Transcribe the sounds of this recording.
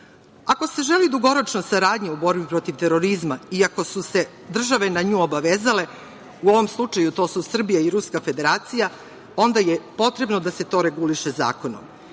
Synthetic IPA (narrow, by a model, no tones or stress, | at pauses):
ako̞se̞ʒe̞lid̪uɡo̞ɾo̞t͡ʃnosaɾaːd̪ɲeubo̞ɾbipɾo̞t̪iʋt̪e̞ɾo̞ɾizmaiako̞suse̞ | d̪r̩ʒaʋe̞naɲuːobaʋezale̞ | uo̞ʋo̞mslˠut͡ʃajut̪o̞ːsusr̩bijaiɾuskafe̞d̪e̞ɾaːt̪sija | o̞nd̪ajepo̞t̪ɾe̞bno̞d̪ase̞t̪o̞ɾe̞ɡuliʃeza̰ːko̞no̰m